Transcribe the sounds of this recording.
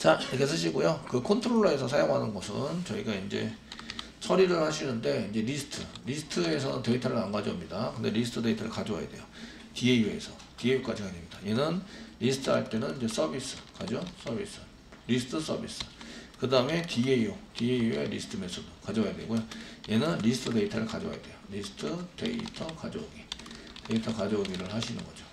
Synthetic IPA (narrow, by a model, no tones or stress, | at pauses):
t͡ɕaiɾʌkʰes̬ʰɯɕ̬ʰiɡojokɯkʰontʰɯɾoɭːoe̞sʰʌsʰajoŋɦanɯnɡʌsʰɯ̰nt͡ɕʌiɡaind͡ʑe̞̰ | t͡ɕʰʌɾiɾɯɭhaɕʰinɯnde̞ind͡ʑe̞ɾisʰɯ̥tʰɯɾisʰɯ̥tʰɯe̞s̬ʰʌnɯ̰nteɡitʰaɾɯɭanɡad͡ʑʌmɲidakɯnde̞̰ɾisʰɯ̥tʰɯdeitʰaɾɯ̰kad͡ʑowa̰ja̰dwe̞̰jo | tieiue̞̰sʰʌ | tiejuk͈ad͡ʑikaɲimɲidaenɯnɾisʰɯ̥tʰɯaɭt͈e̞nɯnid͡ʑe̞s͈ʰʌbis͈ʰɯ̥kad͡ʑos͈ʰʌbis͈ʰɯ̥ | ɾisʰɯ̥tʰɯs͈ʰʌ̰bḭs͈ʰɯ̥kɯdaɯme̞tieiutieijue̞̰ɾisʰɯ̥tʰɯme̞sʰodokad͡ʑowajadwe̞̰ɡojoje̞nɯnɾisʰɯ̥tʰɯde̞itʰʌɾɯɭkad͡ʑo̰wa̰jadwe̞joɾisʰɯ̥tʰɯte̞̰ḭtʰʌkad͡ʑo̰ɡite̞itʰʌkad͡ʑoɡiɾɯɭhaɕʰinɯ̰nɡʌd͡ʑo